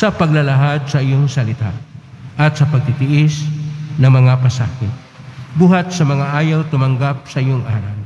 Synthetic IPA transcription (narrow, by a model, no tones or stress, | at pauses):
sɐpɐɡlɐlɐɦad̪̚sɐʔɪjoŋsɐlɪt̪a̰ʔɐt̪̚sɐpɐɡ̚t̪ɪt̪ɪʔɪsnɐŋmɐŋapɐsaːhɪ | buːhat̪̚sɐmɐŋaʔaːjawt̪ʊmɐŋɡap̚sɐʔɪjoŋʔaːɾɐw